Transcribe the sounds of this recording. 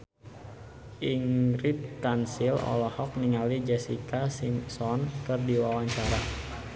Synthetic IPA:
ʔiŋɾit̪̚kansilɔ̰lɔhɔk̚niŋalid͡ʒɛsikasimsɔnkɨrdiwawaɲt͡ʃaɾa

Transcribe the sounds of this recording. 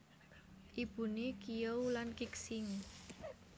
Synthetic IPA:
ʔib̥ṳnekijəwlankɪksɪŋ

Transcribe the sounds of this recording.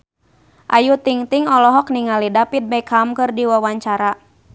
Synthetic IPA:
ʔajut̪iŋt̪iŋɔlɔɦɔk̚niŋalidapit̪̚baikʰamkɨrdiwawaɲt͡ʃaɾa

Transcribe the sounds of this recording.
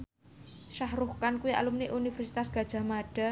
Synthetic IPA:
ʃahɾuhkankuwiʔa̰lumneʔunifɛrsi̥t̪asɡ̥a̤d̥ʒ̥a̤maɖ̥a̤

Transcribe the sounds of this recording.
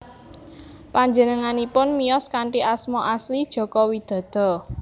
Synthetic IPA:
paɲd͡ʒənəŋanipʊnmijɔskaɳʈiʔasmɔʔaslid̥ʒ̥ɔ̤kɔwid̪̥ɔ̤d̪̥ɔ̤

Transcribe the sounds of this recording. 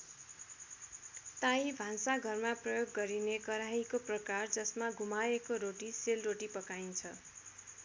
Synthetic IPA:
t̪ãibʱãnsaɡʱʌrmaprʌjoɡːʌɾinekʌɾaikoprʌkard͡zʌsmaɡʱumaekoɾoʈiselroʈipʌkajnt͡sʰʌ

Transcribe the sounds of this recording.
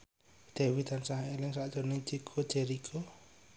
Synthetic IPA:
d̪̥ewit̪ansaɦelɪŋsaʔd̥d͡ʒ̥o̤ne̥t͡ʃikʰo̥d͡ʒɛɾikʰo

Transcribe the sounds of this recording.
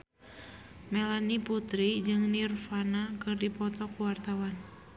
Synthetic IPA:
mɛlaniput̪ɾid͡ʒɨŋnirfanakɨrdipɔt̪ɔkuwart̪awan

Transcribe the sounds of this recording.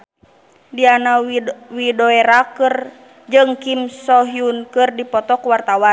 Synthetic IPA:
dianawidɔɛɾakɨr | d͡ʒɨŋkimsɔɦiunkɨrdipɔt̪ɔkuwart̪awan

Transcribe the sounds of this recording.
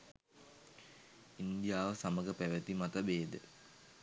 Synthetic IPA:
ind̪ijaːʋəsaməɡəpæʋət̪imat̪əbeːd̪ə̰

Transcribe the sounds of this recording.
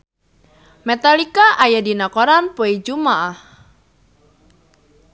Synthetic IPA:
mɛt̪alikaʔajadinakɔɾanpoid͡ʒumaʔah

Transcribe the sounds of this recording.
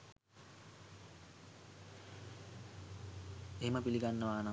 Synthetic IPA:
eɦeməpiliɡanːəʋaːnə

